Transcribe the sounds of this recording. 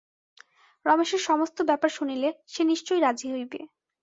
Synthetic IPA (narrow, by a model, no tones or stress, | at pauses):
ɾɔmeʃeɾʃɔmost̪obɛpaɾʃunileʃeniʃt͡ɕojɾad͡ʑiɦojbḛ